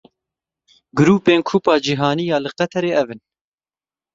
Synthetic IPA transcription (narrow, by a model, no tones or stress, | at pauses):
ɡɨɾuːpeːnkʰuːpɑːd͡ʒiɦɑːniːjɑːlɨqɛt̪ʰɛɾeːɛvɨn